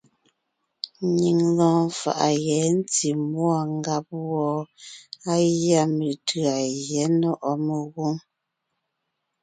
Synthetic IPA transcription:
ɲi˨ŋlɔ̃ː˨˦fa̰˨ʔa˨ɣɛ˨˦n˦ti˨mwa˦˨ŋ˦ɡa˨˦p̚wɔ˨ | a˦ja˦me˨tʰɯ˨a˨jjɛ˨˦nɔ˦ʔɔ˦me˨ɣu˦ŋ

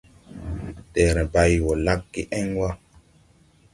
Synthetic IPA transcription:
tɛ˨ɾɛ̃˨ba˦jwɔ˨la˦kːi˦ʔɛ˦ŋwa˦

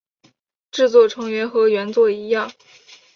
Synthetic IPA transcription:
ʈ͡ʂɻ̩˥˧t͡swɔ˥˩ʈ͡ʂʰɤ˧˥ŋɥɛ˧˥nxɤ˧˥ɥɛ˧˥nt͡swɔ˥˩i˧˥jɑ˥˩ŋ

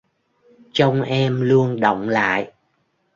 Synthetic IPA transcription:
t͡ɕə˧wŋ͡mʔɛ˧mlu˧ənɗɔ̰˧˨wŋ͡mla̰ː˧˨j

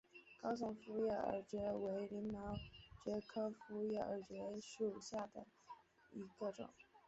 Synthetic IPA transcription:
kɑ˥ʊs̬ʊ˧˥ŋfu˥jɛ˥˩ə̰˨˩t͡ɕɥɛ˧˥we˧˥ɪli˧˥ŋmɑ˧˥ʊt͡ɕɛ˧˥kʰɤ˥fu˥jɛ˥˩ə˨˩t͡ɕɛ˧˥ʂu˨˩ɕja˥˩d̪ə̰˩ | i˧˥ɡə˥˧ʈ͡ʂʊ̰˨˩˦ŋ

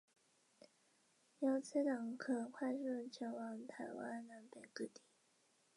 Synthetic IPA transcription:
jɑ˥˩ʊt͡sʰa˥ɪt̪ɑ˨˩˦ŋkʰɤ˨˩kʰwa˥˧ɪʂə˥˧t͡ɕʰjɛ˧˥nwɑ˨˥˦ŋt̪ʰa˧˥ɪwa̰˥nla˧˥npe˨˩ɪkɤ˥˧t̪i˥˩

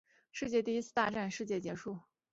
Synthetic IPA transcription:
ʂɻ̩˥˧t͡ɕjɛ˥˧t̪i˥˩i˥t͡sʰɹ̩˥˩t̪a˥˧ʈ͡ʂa˥˧nʂɻ̩˥˧t͡ɕjɛ˥˩t͡ɕjɛ˧˥ʂu˥˩

